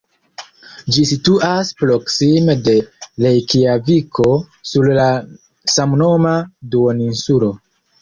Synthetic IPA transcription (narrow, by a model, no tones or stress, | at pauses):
d͡ʒisituʔaspɾo̞ksimede̞le̞jkiavikʰo̞ | sulla | samno̞maduoninsulo̞